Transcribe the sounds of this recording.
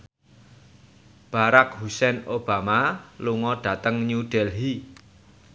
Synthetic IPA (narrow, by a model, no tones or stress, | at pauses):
b̥aɾak̚husɛnob̥a̤maluŋɔɖ̥ä̤t̪əŋɲuɖ̥ɛlɦi